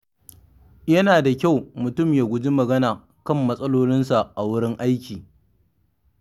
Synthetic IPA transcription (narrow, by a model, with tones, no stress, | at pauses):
jɐ˦naː˨da˨kʲa˦˨wmʊ˨tʊ˦˨mjaː˨ɡʷʊ˨˦d͡ʒi˦mɐ˨ɡɐ˦naː˨ | kɐ˦˨mːɐ˦sʼɐ˦loː˦lɪ˦nsa˨ʔa˨wʊ˦ɽɪ˦ŋʔa˦jkʲiː˨